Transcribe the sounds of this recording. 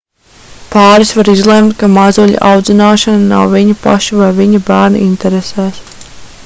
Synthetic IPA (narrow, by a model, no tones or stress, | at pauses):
pɑːɾisvaɾizlˠɛmt̪kamazuʎ̰ʲʔawd̪zʲinaːʃanana̰wviɲapa̰ʃivajviɲabæːɾna̰ʔint̪ɛɾesɛːs